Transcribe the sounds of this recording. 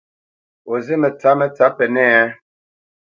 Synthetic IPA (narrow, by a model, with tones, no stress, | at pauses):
o˨zi˦mɛ˨t͡sa˨˦mɛ˦t͡sa˨˦pɛ˨nɛ˦˨ɛ˦